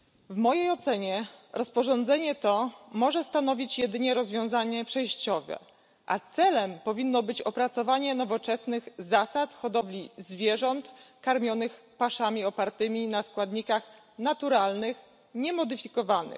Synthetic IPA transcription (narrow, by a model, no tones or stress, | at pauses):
vmɔjejɔt̪sɛɲɛɾʔɔspɔʐɔnd̪zɛɲɛt̪ɔmɔʐɛst̪an̪ɔvʲit͡ɕjɛd̪ɘɲɛɾɔzvʲjɔ̃w̃zaɲɛpʂɛjɕt͡ɕɔvɛ̰ | ʔa̰t̪sɛlɛmpɔvʲinːɔbɘt͡ɕɔpɾat̪sɔvaɲɛnɔvɔt͡ʂɛsnɘɣzasat̪xɔd̪ɔvlʲizvʲjɛʐɔnt̪kaɾmʲjɔnɘxpaʂamʲiɔpaɾt̪ɘmʲinaskwad̪ɲikax | nat̪uɾalnɘx | ɲɛmɔd̪ɘfʲikɔvanɘ̰x